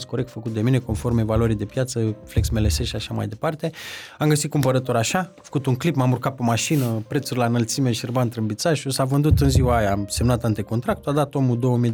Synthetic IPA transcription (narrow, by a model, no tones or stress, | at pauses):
sko̞ɾek̚t̪fəkut̪̚d̪e̞mine̞ko̞nfo̞rme̞valwəɾijd̪e̞pjat̪səfleksme̞leseʃaʃama̰jd̪e̞part̪e̞amɡəsit̪̚kumpəɾət̪o̞ɾaʃafə̥kut̪uŋklipmamurkat̪pemaʃinəpɾe̞t̪surʲlanəlt̪simeʃirbant̪ɾɨnbit̪saʃusavɨnd̪ut̪ɨnziwaajaːmse̞mnat̪ant̪e̞kont̪ɾak̚t̪uad̪at̪o̞mud̪o̞wəmij